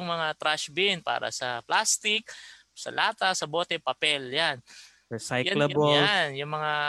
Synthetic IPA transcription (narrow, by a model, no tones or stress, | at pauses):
ŋmɐŋat̪ɾʔaʃbɪnpa̰ːɾɐ̰sɐplast̪ɪk̚ | sɐ̰laːt̪ɐsɐboːt̪ɛpɐpɛljan | ɛsajjalɐbolanjʊŋmɐŋa